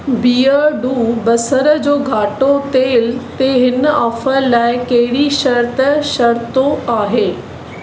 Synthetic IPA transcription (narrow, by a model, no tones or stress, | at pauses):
biːəɖuːbɐsəɾəd͡ʑoːɡʱaːʈot̪eːɪlt̪eɦɪnɐfəlaːɪkɐɦɪɽiʃɐɾt̪əʃɐɾt̪oaːɦeː